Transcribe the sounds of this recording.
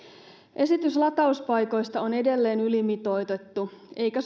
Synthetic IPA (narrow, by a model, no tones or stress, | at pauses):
ʔe̞sit̪yslɑt̪ɑuspɑjko̞jst̪ɑo̞ne̞de̞lːe̞ːnylimit̪o̞jt̪e̞t̪ːue̞jkæs